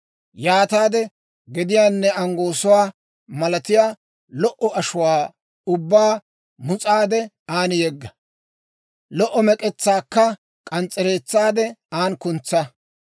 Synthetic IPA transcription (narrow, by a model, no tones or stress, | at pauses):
jaːt̪aːd̪ɛ | ɡɛd̪ɪjaːnːɛɐŋɡoːsʊwaː | mɐlɐt̪ɪjaː | lɔʔɔɐʃʊwaː | ʊbːaː | mʊt͡sʼaːd̪ɛ | aːnjɛɡːɐ | lɔʔːɔmɛkʼɛt͡sːaːkːɐ | kʼɐnt͡sʼːɛɾe̞ːt͡sːaːd̪ɛaːnkʊnt͡sːɐ